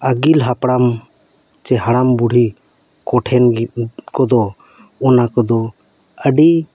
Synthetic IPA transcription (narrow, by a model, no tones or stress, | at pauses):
əɡilɦapɽam | t͡ʃɛɦaɽambuɽ̤ʱi | kɔʈʰɛnkɔd̪ɔ | ɔnakɔd̪ɔ | əɖi